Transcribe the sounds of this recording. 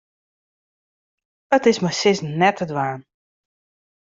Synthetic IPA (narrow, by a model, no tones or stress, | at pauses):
ətɪsmasɪsnɛtʰədʋaːn